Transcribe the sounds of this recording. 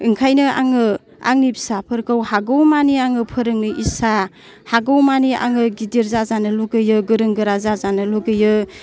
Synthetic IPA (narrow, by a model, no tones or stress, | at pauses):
ɯŋkʰajnɯa̰ŋɯ | a̰ŋnipsapʰɯɾkɯwhaɡowmaniaŋɯpʰɯɾɯŋnɯʔisa | haɡawmania̰ŋɯɡidiɾzazanɯluɡɯjɯɡɯɾɯŋɡɯɾazazanɯluɡɯjɯ